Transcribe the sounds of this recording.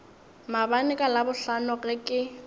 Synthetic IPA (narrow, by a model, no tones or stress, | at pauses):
mabanɪkʼalabʊɬanʊɣɪkʼɪ